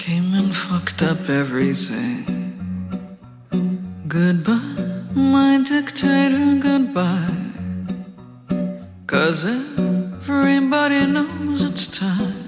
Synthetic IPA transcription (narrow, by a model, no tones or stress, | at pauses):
kʰẽɪ̃mɨ̃nfʌktʌpɛvɹiθɪ̰̃ŋ | ɡʊd̚baɪmaɪdɪktʰeɪɾə˞ɡʊd̚baɪ | kʰʌzɛvɹibɑɾinoʊzɨtstʰaɪ